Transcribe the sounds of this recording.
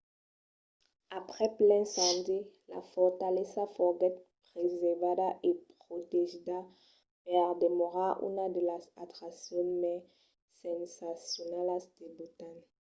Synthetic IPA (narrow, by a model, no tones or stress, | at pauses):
apχɛplɛ̃nsɑ̃nd̪ila̰fɔʁt̪alɛsafɔʁɡɛt̪̚pʁezɛvadaʔepχot̪eʒid̪a | pɛʁd̪emɔʁaʔy̰nad̪əlasat̪ʁasjɔ̃mɛ | sɛ̃nsasjonɛlasd̪̥ebut̪an